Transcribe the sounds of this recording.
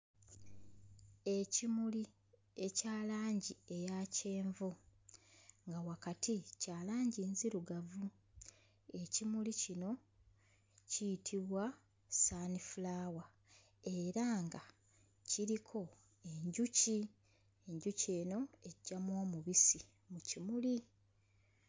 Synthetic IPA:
e̞cimuli | e̞caːlaːɲɟie̞jaːce̞ːɱvu | ŋɡawakatʰicaːlaːɲɟinziɾuɡavu | e̞cimulicino̞ | cijitʰiβwa | saːnifulaːwa | e̞ɾaŋɡa | ciɾikʰo̞ | eɲɟuci | e̞ɲɟuce̞ːno̞e̞ɟːamwo̞ːmuβisi | mucimuli

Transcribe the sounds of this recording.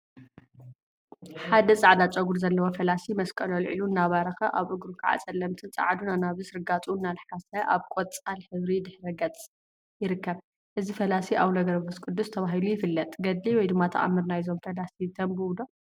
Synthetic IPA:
ħad̪ɐt͡sʼaʕd̪at͡ʃʼɐɡuɾzɐlːɐwofɐlasimɐskʼɐlolʕḭlunːaβaɾɐxɐʔaβʔɨɡɾukʰaʕa̰t͡sʼɐlːɐmt̪ʰɨnt͡sʼa̰ʕd̪unanaβɨsɾɨɡat͡sʼuɨnːalɨħasɐʔa̰βkʼot͡sʼalħɨβɾid̪ɨħɾɐɡɐt͡sʼ | jɪɾɨkʰːɐβ | ʔɨzifɐlasiʔaβnɐɡɐɾbɨskʼɨd̪ːust̪ʰɐβaɦilujɪfɨlːɐt̪ʼɡɐd̪liwɔjd̪ɨmːat̪ʰɐ̰ʔa̰mːɨɾnajizo̞mfɐlasit̪ʰɐmbɨwd̪o

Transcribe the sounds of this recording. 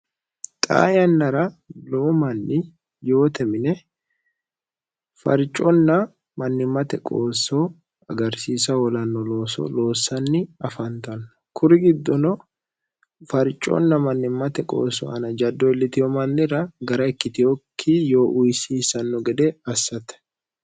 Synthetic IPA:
t̪ʼa̰ːjɐnːɐɾɐloːmɐnːɪ | jo̞ːt̪ɛmɪnɛ | fɐ̰ɾt͡ʃʼːɔnːɐ | mɐnːɪmːɐt̪ɛkʼo̰ːsːɔ | ɐɡɐɾsiːsɐwɔlɐnːɔlo̞ːsɔ̰lo̞ːsːɐnːɪɐfɐnt̪ɐnːɐkʰʊɾɪɡɪd̪ːɔnɔ | fɐɾt͡ʃʼːɔ̰nːɐmɐnːɪmːɐt̪ɛkʼo̰ːsːɔ̰ɐnɐd͡ʒɐd̪ːɔɛlːɪt̪ɪjɔmɐnːɪɾɐɡɐɾɐɛkːɪt̪ɪjɔkʰːijo̞ːʔʊjsiːsɐnːɔɡɛd̪ɛɐsːɐt̪ɛ̥

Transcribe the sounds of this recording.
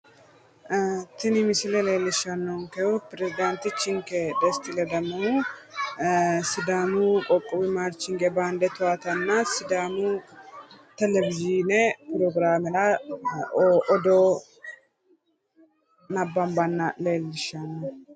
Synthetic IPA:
t̪ɪnɪmɪsɪlɛle̞ːlːɪʃːɐnːɔŋkɛʊpɪɾɛzɪd̪ant̪ɪt͡ʃːɪŋkɛd̪ɛst̪ɪlɛd̪ɐmɐnu | sɪd̪aːmukʼɔkʼːɔbɪmaːɾt͡ʃːɪŋɡɛbaːnd̪ɛt̪ʊaːt̪ɐnːasɪd̪aːmu | t̪ɛlɛvɪd͡ʒinɛpɪɾɔɡɾaːmɛla | ʔɔd̪oː | nɐbːɐmbɐnːɐle̞ːlːɪʃːɐnːɔ

